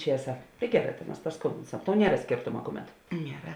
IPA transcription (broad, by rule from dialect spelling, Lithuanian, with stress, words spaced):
ˈt͡ʃʲiɛsɐ tɐɪ ˈɡʲæːˌrɑː tɐ mɐs pɐsˈkʊmʲbʲɪnsɐm tɐʊ ˈnʲiɛrɐ ˈsʲkʲeːrtoːmɐ ˈkʊˌmʲɛt nʲiɛˈrɐ